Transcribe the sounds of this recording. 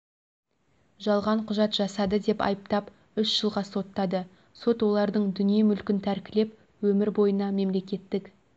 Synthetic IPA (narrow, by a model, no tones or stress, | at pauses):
ʒɑlˠʁɑɴqʰʊʒɑt̪ʒɑsɑd̪əd̪e̞pɑ̰jəpt̪ɑp | ʏʃʒ̥əlˠʁɑso̞t̪ːɑd̪ə | so̞t̪wo̞lˠɑɾd̪əɴd̪ʏnije̞mʏlkʲɪnt̪ʰæɾkʲɪle̞p̚ | wɵmɪɾbo̞jənɑme̞mle̞kʲe̞t̪ːɪkʲ